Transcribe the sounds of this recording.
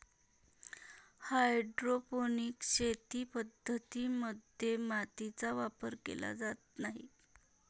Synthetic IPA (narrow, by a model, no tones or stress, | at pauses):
hajɖɾoponikɕet̪iːpəd̪ʱːət̪iməd̪ʱjemat̪it͡saʋapəɾkḛla̰d͡zat̪̚naɦḭ